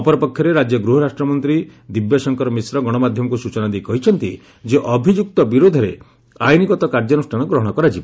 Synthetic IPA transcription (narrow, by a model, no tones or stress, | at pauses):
ɔpɔɾɔpɔkʰːjɔɾeɾad͡ʒjɔɡɾuɦɔɾasʈɾɔmɔnt̪ɾid̪ibjɔsɔŋkɔɾɔmisɾɔɡɔɽ̃ɔmad̪ʱjɔmɔkusut͡ʃɔnad̪ejkɔɦit͡ʃʰɔnt̪i | d͡ʒeʔɔbʱid͡ʒuk̚t̪ɔbiɾod̪ʱɔɾe | ajnikɔt̪ɔkaɾd͡ʒɔnusʈʰaɽ̃ɔɡɾɔɦɔɽ̃ɔkɔɾat͡ʃibɔ